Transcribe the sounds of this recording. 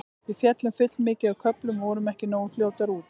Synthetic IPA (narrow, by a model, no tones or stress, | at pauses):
vɪðfjɛt̪lʏmfʏt̪lmɪːcɪakʰœplʏmvɔːɾʏmɛhcɪnoːwfljoːwt̪aɾuːt̪